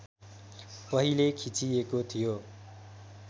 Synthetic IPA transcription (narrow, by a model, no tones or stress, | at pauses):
pʌɦilekʰit͡sijekot̪ʰijo